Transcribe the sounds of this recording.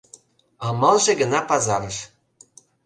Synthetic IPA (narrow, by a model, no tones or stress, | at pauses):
ɑmɑlˠʒĕɡɤ̆nɑpɑzɑɾɤ̆ʃ